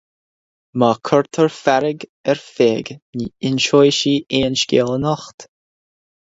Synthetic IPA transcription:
maːkʰɔɹt̪ʰəɹfaɾɪɡɛɹfeːɡniɪnʃɔjʃiːʔeːnʃkʲeːlˠənɔxt̪

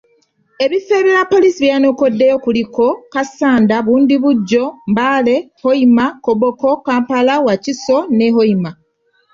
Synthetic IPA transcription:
e̞βife̞ːɾeɾapːo̞lisiβjano̞ko̞dːejo̞kuliko̞kasaːndaβuːndiβuɟːo̞mbaːle̞hoimakoβoko̞kaːmpalawaciso̞ne̞ɦoima

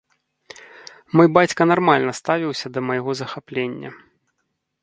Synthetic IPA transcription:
mɔjbat͡sʲkɐnarmalʲnɐst̪avʲiwsʲɐd̪ɐmɐjɣɔzɐxaplʲenʲːɐ̰

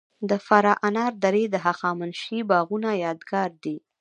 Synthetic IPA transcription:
d̪əfaɾɑʔanɑɾd̪aɾed̪əɦaxɑmanʃibɑɣunajɑd̪ɡɑɾd̪i

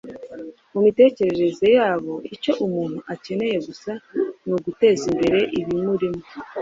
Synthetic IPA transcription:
mumite̞ːce̞ɾe̞ɾe̞ze̞jaːβo̞ico̞ʔumuːn̥huʔace̞ne̞je̞ɡusanuɡute̞ːzimbe̞ɾe̞ʔiβimuɾimo

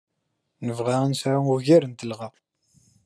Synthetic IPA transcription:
nəvʁaænsɾauʝiɾənt̪əlʁa

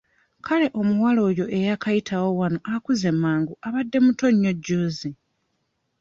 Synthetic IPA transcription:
kʰale̞ʔo̞muwalo̞ːjo̞ʔe̞jakajitʰawo̞wano̞ʔakuze̞mːaːŋɡuʔaβadːe̞muto̞ɲːo̞ɟːoːzi

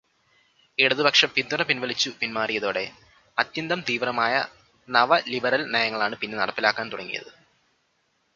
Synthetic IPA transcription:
eɽuðɨbɐkʂɐpind̪unɐpinʋɐlit͡ɕːupinmaːrijɐðo̞ːɽe̞ | ɐt̪jɐnd̪ɐmt̪iːʋrɐmaːjɐ̰ | nɐʋɐlibɐɾɐlnɐjɐŋːɐɭaːɳɨpinːe̞nɐ̰ɽɐpːilaːkːaːnt̪uɽɐŋːḭjɐ̰ðɨ

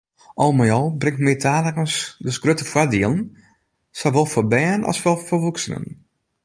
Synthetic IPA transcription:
ʔɔlˠmajɔlˠbrɪŋtmɪətʰaːləkənsdəsɡ̥røtəfwadiəlˠn̩ | soʋolˠfɔbɛːnɔ̰lˠsʋɛlˠfoʋuksənə̰n

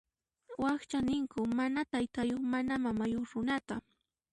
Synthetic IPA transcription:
wɑχt͡ʃanɪŋkʊmanat̪ajt̪ajoχmanamamajoχɾʊnat̪a

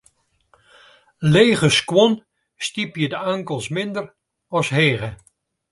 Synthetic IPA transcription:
leːɣəskwɔn | stipjədəaŋkəlˠsmɪndər | ɔsɦeːɣə

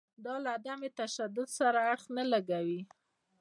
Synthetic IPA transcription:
d̪ɑlaad̪amet̪aʃad̪ʊd̪saɾaːɽxnalaɡawi

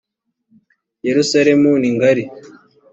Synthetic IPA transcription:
jeɾusaɾemuniŋɡaɾi

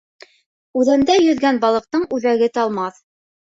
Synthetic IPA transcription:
ʉðænd̪æjɵ̆ðɡænbɑlˠɤ̆q̚t̪ɤɴʉðæɡɘt̪ɑlˠmɑθ

